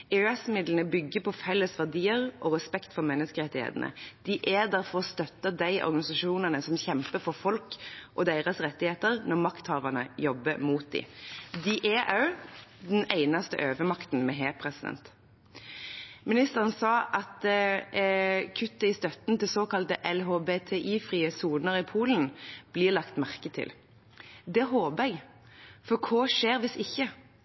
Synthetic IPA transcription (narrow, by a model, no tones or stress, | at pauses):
ɛɛsmɪd̪lən̩əbʏɡːəpɔfɛlːəsʋæʁd̪iːəʁʔɔʁɛspɛkt̪fɔɾmɛnːəskəʁɛt̪ːɪhḛːt̪nə̰d̪̥ɪʔæd̪æɾfɔʁɔst̪œt̪ːəd̪æɪʔɔ̰ɾɡɑnɪsɑʂuːnənəsɔmçɛmpəfɔɾfɔlkʔɔd̪eɪʁəsʁɛt̪ːɪheːt̪əɾnɔʁmɑkt̪hɑːʋəʁnəjɔbːəmuːt̪̚d̪ɪ̰d̪ɪʔæʔɑʉd̪ɛnæɪnɑst̪ə̰ʔøːʋəmɑkt̪n̩mɛɦeːpʰɾɛsɪd̪ɛ̰nt̪ | mɪnɪst̪əʁən̩sɑːʔɑt̪ | kʰʉt̪ːəɪst̪œt̪nt̪ɪlsoːkɑlt̪əʔɛlɦoːbeːt̪ʰɛʔiːfʁiːəsuːnəʁɾipʰuːln̩b̥liːʁlɑkt̪mæʁkət̪ʰɪ̰l | d̪ɛɦoːbəɛɡ | fɔkʰoːʃeːɾʋɪsɪçːə